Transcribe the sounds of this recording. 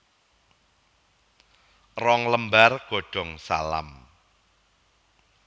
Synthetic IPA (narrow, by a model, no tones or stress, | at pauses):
rɔŋləmbarɡ̥o̤ɖ̥ɔ̤ŋsa̰la̰m